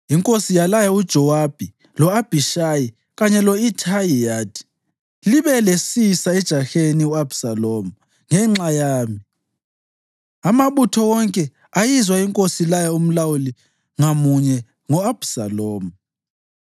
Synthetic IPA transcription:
iŋkʼosijalajaud̥ʒ̥ʱɔwab̥ʱi | lɔab̥ʱiʃaji | ɣaɲɛlɔitʰajijaːd̥i̥ | liβɛlesisaɛd̥ʒ̥ʱaxeniuab̥saloːmu | ŋɛŋ͡ǁajaːmi | amaβutʰɔwɔŋkʼɛ | ajizwaiŋkʼosilajaum̩lawuli | ŋamuɲɛ | ŋɔab̥saloːmu

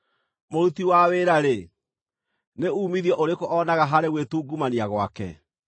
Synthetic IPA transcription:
moɾutiwaweːɾaɾe | neuːmiðjɔʔoɾekoʔɔnaɣaɦaɾeɣwetuːɡumaniaɣwakɛ̰

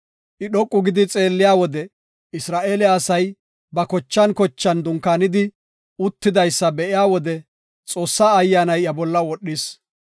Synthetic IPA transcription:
ʔɪɗɔkʼːʊɡɪd̪ɪt͡sʼe̞ːlːɪjaːwɔd̪ɛ | ɪsɾaːʔe̞ːlɪːsɐj | bɐkɔt͡ʃːɐnkɔt͡ʃːɐnd̪ʊŋkaːnɪd̪ɪ | ʊt̪ːɪd̪ɐjsːɐbɛʔɪjaːwɔd̪ɛ | t͡sʼo̞ːsːaːɐjːaːnɐjɐbɔlːɐwɔɗːɪs

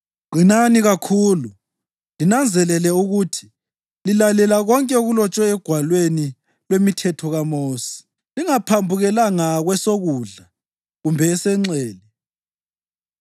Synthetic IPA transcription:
ɡ͡ǃ̥ʱinaniɣakʰuːlu | linand͡zʱɛlɛlɛuɣutʰi̥ | lilalɛlaɣɔŋkʼɛuɣulɔt͡ʃʼwɛːɡ̥ʱwalweni | lwemitʰɛtʰɔɣamoːsi̥ | liŋapʰambʱuɣɛlaŋaɣwɛsoɣuːɮa | ɣumbʱɛːsɛŋ͡ǀɛːli

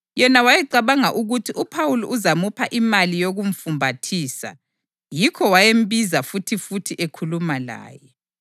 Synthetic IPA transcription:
jɛnawajɛǃaβaŋaʔuɣutʰiʔupʰawuluʔuzamupʰaʔimalijoɣuɱ̩fumbʱatʰiːsa̰ | jikʰɔwajem̩bizafutʰifutʰiʔekʰulumala̰ːjɛ

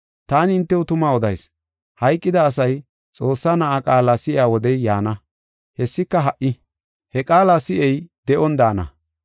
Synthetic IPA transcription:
t̪aːnɪɪnt̪ːɛʊt̪ʊmaːɔd̪ɐjs | hɐjkʼːɪd̪ɐːs̬ɐj | t͡sʼo̞ːsːaːnɐʔakʼaːlasɪʔɪaːwɔd̪ɛjːaːnɐ | hɛsːɪkːɐɦɐʔɪ | hɛkʼaːlasɪʔɛjd̪ɛʔɔnd̪aːnɐ̰

